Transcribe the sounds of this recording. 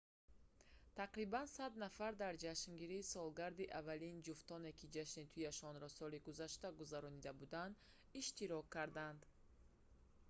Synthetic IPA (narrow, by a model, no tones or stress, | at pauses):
t̪ʰaqɾibansad̪nafaɾd̪aɾd͡ʒaʃŋɡiɾiːsɔlɡaɾd̪iʔavalind͡ʒuft̪ɔne̞kʰid͡ʒaʃnit̪ʰujaʃɔnɾɔsɔliɡuzaʃt̪aɡuzaɾɔnid̪abud̪and̪ | iʃt̪iɾɔkʰːaɾd̪and̪